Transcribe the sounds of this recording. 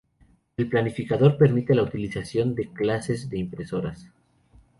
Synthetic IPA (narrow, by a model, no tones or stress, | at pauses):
e̞lplanifikaðo̞ɾpe̞ɾmit̪e̞laut̪ilisasjo̞nd̪e̞klase̞zðe̞impɾe̞so̞ɾas